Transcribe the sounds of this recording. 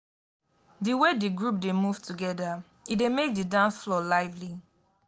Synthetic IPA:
diwediɡɹup̚demuv̥tuɡɛda | idemek̚didãʊ̃nsflɔlaɪvli

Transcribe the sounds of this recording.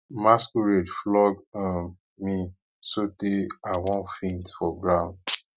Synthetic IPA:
maskuɹedflɔɡɔ̃ | mĩ | soteawɔ̃nfĩntfɔɡɹãʊ̃nd

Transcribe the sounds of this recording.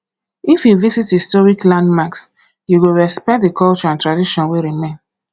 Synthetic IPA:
ifjuvisithistɔɹiklãndmaks | juɡuɹɛspɛk̚tdikɔlt͡ʃɔãntɹadiʃɔ̃nweɹimẽn

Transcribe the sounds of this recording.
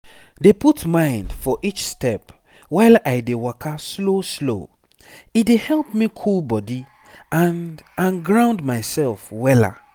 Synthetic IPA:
deputmãɪ̃ndfɔʔit͡ʃstɛp | waɪlaɪdewakʰasloslo̰ | idehɛlˠpmikʰulbɔdi | ãnãnɡɹãʊ̃ndmaɪsɛlfwɛla̰

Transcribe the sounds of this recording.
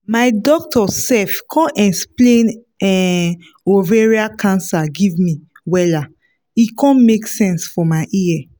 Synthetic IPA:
maɪdɔk̚tʰɔsɛfkʰɔ̃nʔɛsplẽn | ɛ | oveɹiakʰãnsaɡivmi | wɛla | ikʰɔ̃nmeksɛ̃nsfɔmaɪʔiɛ

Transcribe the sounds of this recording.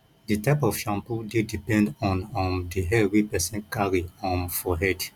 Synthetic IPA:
ditaɪpɔfʃãmpudidipɛ̃ndɔ̃nɔ̃ndiɦɛwipɛsɛ̃nkaɹiɔ̃nfɔɦɛd

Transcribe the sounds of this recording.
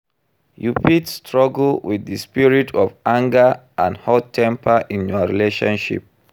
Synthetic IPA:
jupitstɹɔɡl̩wiððəspiɹitʰɔvãŋɡəʔãndhɔtʰɛ̃mpʰəʔĩnjɔɹileʃɔ̰̃nʃḭp̚

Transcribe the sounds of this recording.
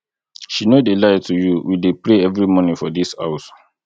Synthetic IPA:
ʃinodelaɪtʰujuwidepɹeɛvɹimɔnĩfɔdisha̰ʊs

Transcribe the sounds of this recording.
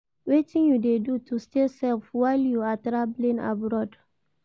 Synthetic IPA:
wetĩŋjudedutustesɛlfwaɪljuatɾablĩna̰bɾɔd

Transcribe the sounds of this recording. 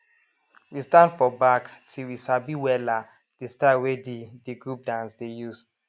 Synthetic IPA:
wistãndfɔbaktʰilwisabiwɛla | d̥istawedidiɡɹup̚dãnsdejus

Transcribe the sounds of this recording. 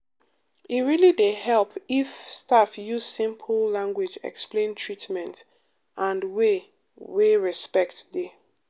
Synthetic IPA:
iɹilidehɛlˠpʰifstafjuz̥sĩmpʰllãŋɡwid͡ʒɛ̰ksplẽntʰɹitmɛ̃nt | ʔãndwe | weɹɛspɛk̚tði

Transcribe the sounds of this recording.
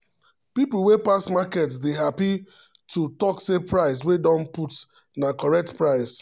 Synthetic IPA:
pipl̩wepasmakɛtsdeɦapi | tʰutɔksepɹaɪs̬wedɔ̃nput | nakɔɹɛk̚tpɹaɪs

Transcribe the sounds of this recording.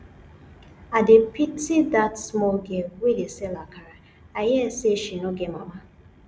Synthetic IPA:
adepitidatsmɔɡɛwedesɛlakaɾa | ajɛseʃinoɡɛmama

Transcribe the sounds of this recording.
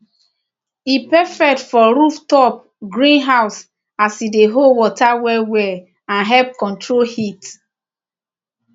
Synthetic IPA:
ipɛfɛk̚tfɔɾuftɔp̚ | ɡɹĩnɦaʊs | asideɦowɔtawɛwɛ | ãnɦɛp̚kɔ̃ntɹolhit

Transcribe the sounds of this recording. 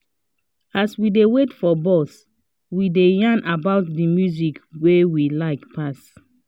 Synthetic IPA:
aswidewetfɔbɔs | widejãnʔabaʊt̚dimjuzikwewilaɪkpʰas

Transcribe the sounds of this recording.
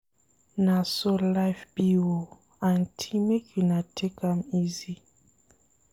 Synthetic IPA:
nasolaɪfbiwo | antʰimekʰjunatʰekamizi

